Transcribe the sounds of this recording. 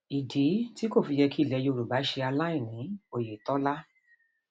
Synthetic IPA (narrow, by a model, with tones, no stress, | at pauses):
i˨di˨˦ti˦ko˦˨fi˧jɛ˧ki˦i˦˨lɛ˧jo˧ɾu˨ba˨˦ʃe˧a˧la˦i˦˨nĩ˨˦o˨je˨tɔ˦la˦